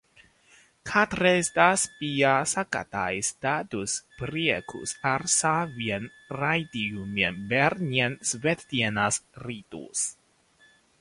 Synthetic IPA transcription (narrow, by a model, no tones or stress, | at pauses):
kʰat̪ɾesd̪aspiasaka̰t̪a̰jst̪at̪uspɾiɛkʰṵsaɾsavjɛn | rajt̪iumɛnbɛɾnjɛnsvet̪t̪jɛnasrit̪ṵs